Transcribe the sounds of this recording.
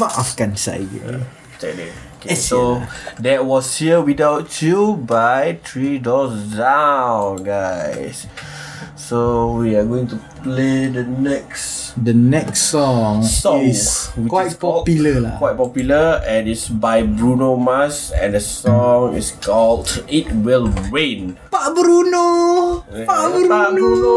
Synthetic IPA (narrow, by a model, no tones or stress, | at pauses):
faafɡãnsa̰ɡɛ̰ | tɛk̚dɛ̰okesodɛt̚wɔshiəwidawtːubajt̪ʰɹidɔsdãww̃nɡaɪsː | owiaɡoĩŋtupledənɛksdənɛksːɔŋsɔ̃ŋwikɔpjləlakwajt̚pɔpjuləɛ̃nitsbajbɹunomasɛ̰̃ndəsɔ̃ŋḭskʰɔldit̚wilɹẽnpabɾuno | aɾabuo